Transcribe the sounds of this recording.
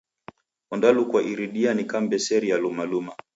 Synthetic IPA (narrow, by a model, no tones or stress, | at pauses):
ɔndalukwaʔiɾiɗianikambɛsɛɾijalumaluma